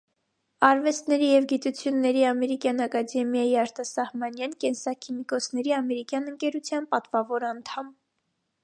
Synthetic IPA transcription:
ɑɾvɛst̪nɛɾijɛvɡit̪ut͡sʰjunːɛɾiɑmɛɾikjɑnɑkɑd̪ɛmjɑjiɑɾt̪ɑsɑhmɑnjɑnkɛnsɑkʰimikɔt͡sʰnɛɾiɑmɛɾikjɑnəŋkɛɾut͡sʰjɑnpɑt̪vɑvɔɾɑnt̪ʰɑm

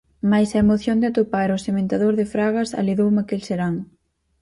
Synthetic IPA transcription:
majsɐemoθjond̪ɪat̪opaɾosemẽnt̪aðoɾðɪfɾaɣɐsa̰liðowmakelseɾaŋ

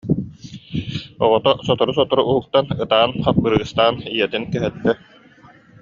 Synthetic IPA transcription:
ɔʁɔt̪ɔsɔt̪ɔɾus̬ɔt̪ɔɾuuɦuk̚t̪anɯt̪aːnχapːɯɾɯːst̪aːnijɛt̪inkɛɦɛt̪ːɛ

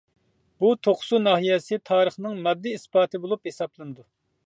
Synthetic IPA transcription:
but̪ʰoχsunɑɦijɛsɪt̪ʰɑːɾəχnɨŋmɑd̪ːiispɑːt̪ʰɨbolˠuphesɑplˠɨnɨd̪u

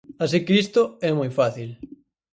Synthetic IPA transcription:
asikeist̪ʊɛmojfaθil

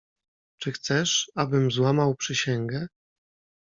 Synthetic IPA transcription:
t͡ʂɘxt̪sɛʂabɘmzwamawpʂɘɕɛŋɡɛ

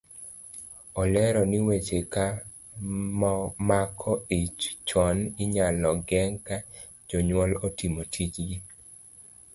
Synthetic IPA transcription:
ɔlɛɾɔnɪwet͡ʃeka | mɔmakʰɔit͡ʃt͡ʃɔnɪɲalɔɡɛŋka | d͡ʒoɲwɔlotimotʰit͡ʃɡi

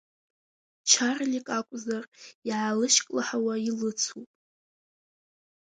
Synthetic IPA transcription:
t͡ʃʰarlʲikʼakʷʼzariʕalɨʃkʼlaħawailɨt͡sʰupʼ

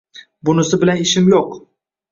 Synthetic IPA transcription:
bʊnɪsɪbɪlanɪʃɪmjoq

